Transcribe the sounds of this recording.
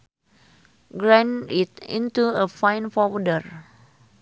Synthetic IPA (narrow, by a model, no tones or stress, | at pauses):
ɡɹãnitḭ̃ntuəfãj̃nfɔwdəɹ